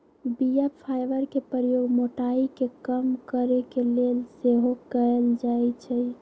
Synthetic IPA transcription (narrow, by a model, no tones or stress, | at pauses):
biappʰajbəɾkepəɾjoɡmoʈaikekəmkəɾekelelseɦokəld͡ʒajt͡ʃʰɛ